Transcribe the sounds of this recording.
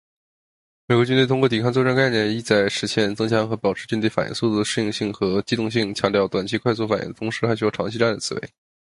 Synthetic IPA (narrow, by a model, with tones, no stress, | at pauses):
me˨˩ɪkwɔ˧˥t͡ɕy˥nt̪e˥˧ɪt̪ʰŋkwɔ˥˩t̪i˨˩kʰɑ˥˧ŋt͡sɔ˥˧ʈ͡ʂŋka˥˧ɪnjɛ˥˩ni˥˧t͡sa˥˩ɪʂɻ̩˧˥ɕʰjɛ˥˩nt͡sɤ˥ŋt͡ɕʰjɑ˧˥ŋxɤ˧˥pɑ˨˩ʊʈ͡ʂ̩ʰ˧˥t͡ɕy˥nt̪we˥˩ɪfa˨˩jḭ˧˥ŋsu˥˧t̪u˥˩d̪ə˩ʂɻ̩˥˧ji˧˥˧ŋɕi˥˩ŋxɤ˧˥t͡ɕi˥t̪ʊ˥˧ŋɕi˥˩ŋt͡ɕʰjɑ˧˥ŋt̪jɑ˥˩ʊt̪wa˨˩nt͡ɕʰi˧˥kʰwa˥˧ɪs̬u˥˩fa˨˩jḭ˥ŋd̪ə˩ʊ˧˥ŋʂɻ̩˥xa˧˥ɪɕy˥jʈ͡ʂʰɑ˧˥ŋt͡ɕʰi˥˧ʈ͡ʂa˥˩nd̪ə˩t͡sʰɹ̩˨˩wḛ˧˥ɪ